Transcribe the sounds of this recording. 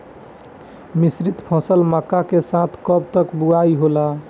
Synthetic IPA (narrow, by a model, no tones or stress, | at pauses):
misɾit̪pʰɔ̃səlmakakesãt̪ʰkəb̚t̪əkbuajɦola